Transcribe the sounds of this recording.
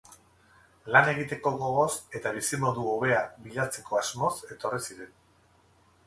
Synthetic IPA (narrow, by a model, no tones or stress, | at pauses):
lane̞ɣ̞it̪e̞ko̞ɣo̞ɣ̞o̞se̞t̪aβ̞isimo̞ðuoβe̞aβiʎat͡se̞kʰo̞azmo̞se̞t̪o̞risiɾe̞n